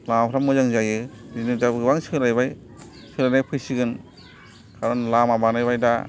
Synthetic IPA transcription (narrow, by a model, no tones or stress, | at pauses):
lamapʰɾamɯzaŋzajɯzinɯdabɯɯbaŋsɯɾajbaj | sɯɾajnajpʰɯjsiɡɯn | kʰaɾɔnlamabanajbajda